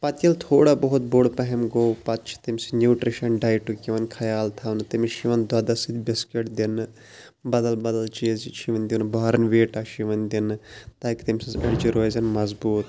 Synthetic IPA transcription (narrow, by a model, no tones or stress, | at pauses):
pɐt̪jɐlt̪ʰoːɽaːbɐɦut̪̚boɽpɐɦɛmɡowpɐt̪t͡ʃʰi̥t̪imʲsinʲjuːʈɾiʃɐnɖaːjʈukʲiʋɐnʲkʰɐjaːlt̪ʰɐʋnt̪imiʃiʋɐnd̪ad̪ɐsid̪bɪskeʈd̪in | bɐd̪ɐlbɐd̪ɐlt͡ʃiːzʃʰiʋɐnʲd̪ʲinbaːɾɐnʋeːʈaʃiʋɐnʲd̪int̪ɐkt̪imʲsizɐɽd͡ʒiɾozɐnmɐzbuːt̪